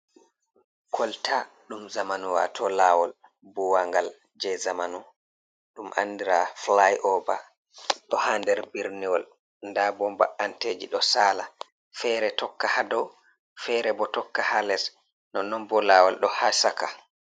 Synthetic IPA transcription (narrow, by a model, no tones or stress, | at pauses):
kʰɔltʰa | ɗumzamanuwa̰tʰɔlawɔl | buwaŋɡal | d͡ʒɛzamanu | ɗumʔa̰nːdiɾaflajʔɔba̰ | ɗɔhandɛɾbiɾniwɔl | ndabɔmbaʔanteːd͡ʒiɗɔsaːla | fɛɾɛtɔkːahadɔw | fɛɾɛbɔtɔkːahalɛs | nɔnɔmbɔlaːwɔlɗɔhasaka